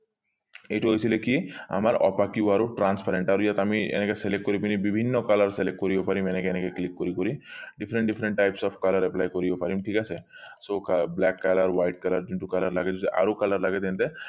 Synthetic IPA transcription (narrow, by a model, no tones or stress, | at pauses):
ejʈuɦojsʰilekia̰maɾɔ̰pakiuwaɾoʈɾanspaɾeɳʈaɾojat̪amiɛ̰nɛkɛselekʈ̚ːkoɾipinibibʱinːɔkalaɾselekʈ̚koɾibɔpaɾimɛnɛkɛnɛkɛklikːoɾikoɾiɖipʰɾeɳʈɖipʰɾeɳʈːajpsɔbʰkalaɾɛplajkoɾibɔpaɾimʈʰikasʰe | sokablɛkːalaɾwajʈ̚kalaɾd͡ʒinʈukalaɾla̰ɡɛd͡ʒuʔa̰ɾokalaɾlaɡɛt̪ɛnt̪ɛ